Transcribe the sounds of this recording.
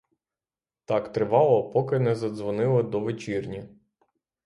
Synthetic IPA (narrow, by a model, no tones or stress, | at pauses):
t̪ɑkt̪ɾɪʋɑlˠɔpɔkɪnɛzɐd̪zʋɔnɪlˠɪd̪ɔʋet͡ʃirnʲi